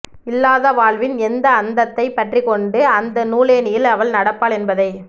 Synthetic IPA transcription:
ɪlːaːðɐʋaːɭʋɪnɛnd̪ɐːnd̪ɐt̪ːɐɪpːɐʈrikːɔɳɖɯɐnd̪ɐnuːleːnɪjɪlɐʋɐɭnɐɽɐpːaːɭɛnbɐðɐɪ

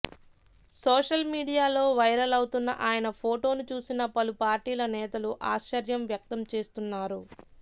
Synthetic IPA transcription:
soːʂɐlmiːɽijaːlo̞ːʋɐjɾɐlɐwt̪unːɐ̰ʔaːjɐnɐpʰoːʈo̞ːnut͡ʃuːsinɐpɐlupaːɾʈiːlɐnɛːt̪ɐluʔaːʃt͡ʃɐɾjɐmʋjɐk̚t̪ɐmt͡ʃe̞ːst̪unːaːɾu

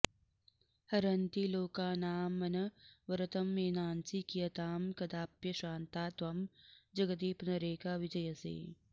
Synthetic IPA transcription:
hɐɾɐnt̪iːloːkaːnaːmɐnɐʋɐɾɐt̪ɐmːeːnaːnsikijɐt̪aːmkɐd̪aːpjɐʃaːnt̪aːt̪ʋɐmd͡ʒɐɡɐd̪iːpnɐɾeːkaːʋɪd͡ʒɐjɐsḛː

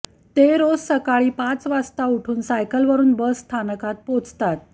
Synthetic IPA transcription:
t̪eɾossəkaɭiːpãt͡sʋast̪auʈʰuːnsajkəlʋəɾuːnbəsːt̪ʰanəkat̪̚pot͡st̪at̪̚

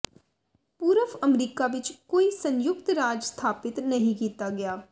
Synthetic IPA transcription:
puːɾəfʰəmɾiːkaːʋɪt͡ʃkoːiːsənjʊk̚t̪ɾaːd͡ʒst̪ʰaːpɪt̪nəɦĩːkiːt̪aːɡɪaː

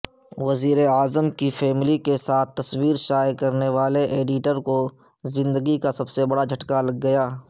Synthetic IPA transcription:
ʋɐziːɾeaːzəmkifʰɛːmɪlikesaːt̪̚ʰt̪ːɐswiːɾʃaːjkɐɾneʋaːleʔeːɖɪʈəɾko | zɪ̃nd̪əɡikasɐbsebɐɽad͡ʒʱɐʈkalɐɡːɐjaː

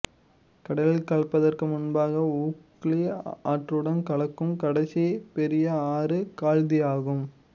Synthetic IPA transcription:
kɐɽɐlɪlkɐɭpːɐðɐrkɯmʊnbaːɣɐuːk | lia̰ːʈrɯɽɐnkɐɭɐkːɯmkɐɽɐsipɛɾɪjɐaːrɯkaːɻðɪjaːɣɯm

